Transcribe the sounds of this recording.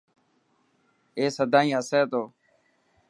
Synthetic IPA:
eːsəd̪ʱãːĩːɦəseːt̪oː

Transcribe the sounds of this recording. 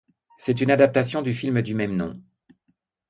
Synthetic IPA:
sɛt̪ynad̪ap̚t̪asjɔ̃d̪yfilməd̪ymɛmnɔ̰̃

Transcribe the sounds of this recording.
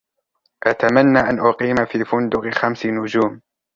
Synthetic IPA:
ʔat̪amanːaːʔanʔʊqiːmafiːfʊnd̪ʊqxamsɪnʊd͡ʒuːm

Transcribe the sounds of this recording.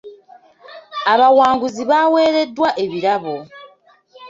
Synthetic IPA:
aβawaːŋɡuziβawe̞ːɾe̞dːwaʔe̞βiɾaβo̞

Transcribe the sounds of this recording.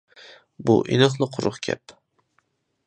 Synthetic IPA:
bʊ̰ʔɪ̰nɨqlˠɨqʰʊɾʊχkʲʰa̰p

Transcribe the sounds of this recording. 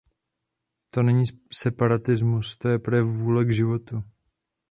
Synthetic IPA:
t̪o̞nɛɲiːsɛpaɾat̪ɪzmust̪ojɛpɾɛvuːlɛɡʒɪvo̞t̪u

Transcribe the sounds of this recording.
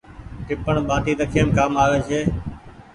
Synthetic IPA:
ʈɪpəɳɓaːʈiːt̪əkʰeːmkaːmaːʋeːt͡ʃʰeː

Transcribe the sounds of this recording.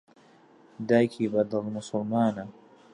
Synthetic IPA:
d̪aːjkʰiːbad̪ɨlmʊsʊlmaːna

